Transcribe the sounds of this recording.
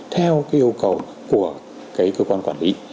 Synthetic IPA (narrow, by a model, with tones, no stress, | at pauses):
t̪ʰɛː˧wkaː˨˥ʔi˧ə˧wka˨˩w | ku˨˩ə | kaː˦˥jkɤː˧kwaː˧nkwaː˧˩li˦˥